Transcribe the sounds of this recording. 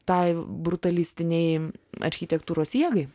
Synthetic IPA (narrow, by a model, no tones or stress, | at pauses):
t̪ɐɪbɾʊt̪ɐlʲɪsʲt̪ʲɪnʲɛɪɐ̰ɾʲxʲɪt̪ʲɛkt̪uːɾoːsiɛɡɐɪ